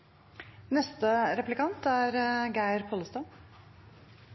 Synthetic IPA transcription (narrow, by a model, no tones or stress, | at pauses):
nɛst̪əɾɛplɪkʰɑnt̪æːɾɡæɪɾpʰɔləst̪ɑ